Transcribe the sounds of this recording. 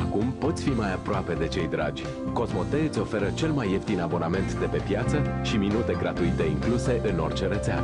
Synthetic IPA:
akumpo̞t̪sʲfimajapɾoape̞d̪e̞t͡ʃe̞jd̪ɾa̰d͡ʒʲ | ko̞zmo̞t̪eo̞fe̞ɾət͡ʃe̞lmajːeft̪inabo̞name̞nt̪d̪e̞pe̞pjat̪səʃiminut̪e̞ɡɾat̪uit̪e̞iŋkluse̞ʔɨno̞rt͡ʃe̞ɾet̪sea̰

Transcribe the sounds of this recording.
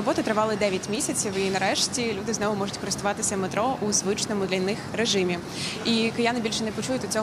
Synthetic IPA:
ɔbɔt̪ɐt̪ɾɪʋɑlˠɪd̪ɛʋʲjɐtʲmʲisʲɐt͡sʲiwinɐɾɛʃtʲilʲud̪ɪznɔʋʊmɔʐʊtʲkɔɾɪst̪ʊʋɑt̪ɪsʲɐmet̪ɾɔʔʊzʋɪt͡ʃnɔmʊd̪lʲɐnɪxreʒɪmʲi | ikɪjanɪbʲilʲʃɛnɛpɔt͡ʃujʊt̪ɔt͡sʲɔɦ

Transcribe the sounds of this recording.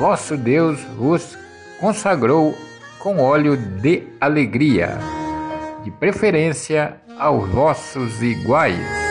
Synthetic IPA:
vɔsʊd̪ewzvʊs | kõsaɡɾow | kõw̃ɔljʊd̪ɪaleɡɾiɐ̰ | d̪ɪpɾefeɾẽsjɐ | awzvɔsʊziɡwajs

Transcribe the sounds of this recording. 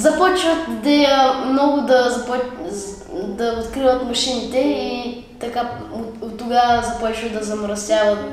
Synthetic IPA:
zɐpɔt͡ʃvət̪id̪ɛjəmnɔɡʊd̪ɐzɐp | d̪ɐot̪kɾivət̪mɐʃinit̪ɛi | t̪ɐka | ot̪ːʊɡazɐpɔt͡ʃvət̪d̪ɐzɐmɾɐsʲjavət̪

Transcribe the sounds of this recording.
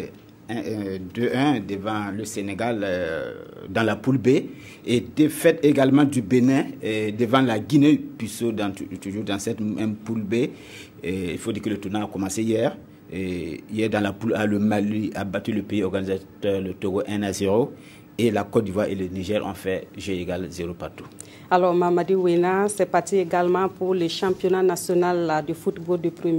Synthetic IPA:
ɛ̃d̪øɛ̃d̪əvɑ̃ləseneɡal | d̪ãlapulbe | ed̪efɛt̪eɡalmɑ̃d̪ybenɛ̃d̪əvɑ̃laɡinepysod̃t̪uʒuːʁd̪ãsɛt̪ɛ̃pulbe | ḭlfodiːkələtuʁnalakɔmɑ̃seijɛʁ | ijɛʁdãlapulaləmaliabatyləpeiɔʁɡanizatœʁlətoɡoʔɛ̃nazeʁo | elakɔdivwaʁḛləniʒɛʁɔ̰̃fɛʒøeɡalzeɾopaʁtu | alɔʁmamadiwenasɛpat̪ieɡalmɑ̃puʁləʃãpjonanasjonaldəfutboldəpɾəmje

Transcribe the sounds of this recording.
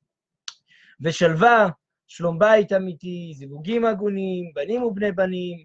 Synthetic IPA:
veʃalva | ʃlo̞mbait̪amit̪izivuɡimaɡunimbanimubne̞jbanim

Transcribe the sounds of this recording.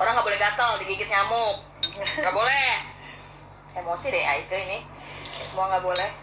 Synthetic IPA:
oɾaŋɡabolɛhɡat̪ɔŋdiɡikɪt̪̚ɲamʊk̚ɡabolɛh | emosideʔa̰ikəinɪ | səmuaŋɡaʔbolɛh

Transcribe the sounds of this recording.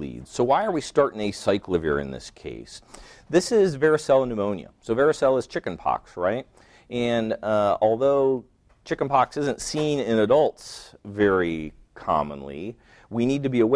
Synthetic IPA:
ḭdz̥soʊwaɪə˞wistɑɹɾɪ̃ŋɨsaɪkʰlɪviə̰˞ɨ̰̃nðɪ̰skʰḛɪsðɪsɪzvɛɹɨsɛlˠənɨmõʊ̃njɨ̰soʊvɛɹɨsɛlˠəz̥t͡ʃʰɪkɨ̃n̩pʰɑ̰ksɹaɪt̚ | ɨ̃nɔlˠðoʊ | t͡ʃʰɪkn̩pʰɑksɪzɨ̃ntsĩnɪ̃nɨdʌlˠtsvɛɹi | kʰɑ̰mə̰̃nlḭ | winid̚tɨbiəw

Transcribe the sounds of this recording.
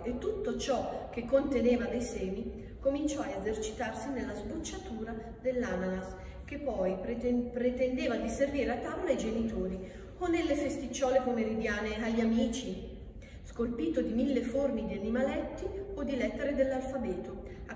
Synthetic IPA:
et̪ːut̪ːot͡ʃɔk̟ekːont̪eneːvad̪ejsɛːmi | komint͡ʃɔaezert͡ʃi̥t̪arsinelːazbut͡ʃːat̪uːɾa | d̪elːananas | k̟epːɔjpɾet̪end̪eːvad̪iserviːɾeat̪ːavolajd͡ʒenit̪oːɾi | onːelːefest̪it͡ʃːɔːlepomeɾid̪jaːneaʎːamiːt͡ʃi | skolpiːt̪od̪imilːefornid̪ianimalɛt̪ːiod̪ilɛt̪ːeɾed̪elːalfabɛːt̪o

